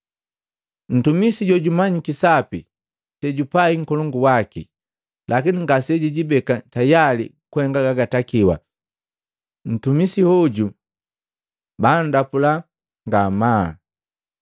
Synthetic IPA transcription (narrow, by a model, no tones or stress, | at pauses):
n̩tumisiɟɔɟumaɲikisapi | tɛɟupaiŋ̩kɔlɔŋɡuwakḭ | lʔakiniŋɡasɛɟiɟibɛkatajalḭ | kuhɛŋɡaɡaɡatakiwa̰ | n̩tumisihɔɟu | bandapula | ŋɡamaː